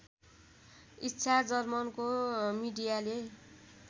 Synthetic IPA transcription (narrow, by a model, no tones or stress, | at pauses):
itːsʰad͡zʌrmʌnkomiɖijale